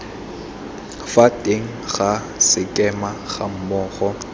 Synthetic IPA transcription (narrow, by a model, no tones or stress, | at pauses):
fatʼeŋ̩ɣa | sɪkʼɛmaχa̰m̩mʊːɣɔ